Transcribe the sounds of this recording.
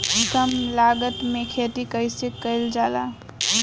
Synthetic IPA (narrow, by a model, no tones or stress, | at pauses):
kəmlaːɡət̪mẽkʰet̪ikəɪsekəɪld͡ʒaːla̰